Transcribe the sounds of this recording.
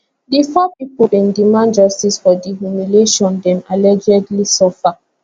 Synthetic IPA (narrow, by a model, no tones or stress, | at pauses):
difɔpipolĩndimãnd͡ʒɔstisfɔdiɦumileʃɔ̃ndɛ̃malɛd͡ʒɛdlisɔfa